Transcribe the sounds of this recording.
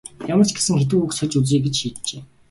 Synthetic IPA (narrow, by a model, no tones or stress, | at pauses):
jamə̆r̥t͡ɕɡesɘ̆ŋxet̪̬ɘ̆kuksœɮʲt͡ɕut͡s̬iːɡet͡ɕʃiːt̪t͡ɕeː